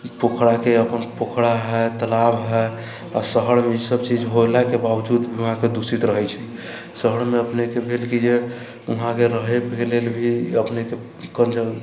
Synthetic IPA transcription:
pokʰɽakeəpənpokʰɽaɦɛt̪əlabɦɛ | a̰səɦəɽmeisəbt͡ʃid͡ʒɦolakebabd͡ʒud̪bʱiuɦãked̪usit̪ɾəɦɛt͡ʃʰɛ | səɦəɽmeəpnekebʱelkid͡ʒe | uɦãkeɾəɦebʱelelbʱiəpneke | kənd͡ʒə

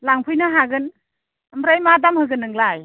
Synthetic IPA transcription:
laŋpʰujnaɦaɡɯn | mɾajmadamhɯɡɯnɯŋlaj

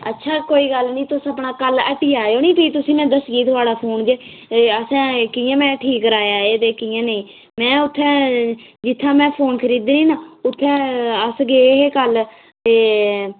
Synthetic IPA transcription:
ə̰tːʃʰaːkoːiːɡəlnĩːt̪ʊsəpɳaːkələʈiːaːjoːnĩːpiːt̪ʊsĩːmɛ̃ːd̪əsɡiːt̪ʰʊaːɽaːpʰoːnd͡ʒeː | əsɛ̃ːkɪːãːmɛ̃ːʈʰiːkɾaːjaːeːt̪eːkijãːneĩː | mɛ̃ːʊt̪ʰːɛ̃ːd͡ʒɪt̪ʰːãːmɛ̃ːpʰoːnkʰəɾiːd̪niːnãːʊt̪ʰːɛ̃ːəsɡeːɦeːkəl | t̪eː

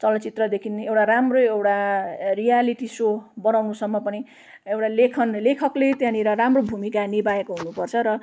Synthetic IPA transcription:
t͡sʌlʌt͡sit̪rʌd̪ekʰinewʈaramroewʈarijaliʈisobʌnawnusʌmːʌpʌni | ewʈalekʰʌnlekʰʌklet̪jãniɾʌɾamrobʱumikanibaekoɦunupʌrt͡sʰʌɾʌ

